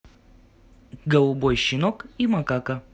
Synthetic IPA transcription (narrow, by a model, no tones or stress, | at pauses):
ɡɐlˠubɔjʃinɔkimɐkakɐ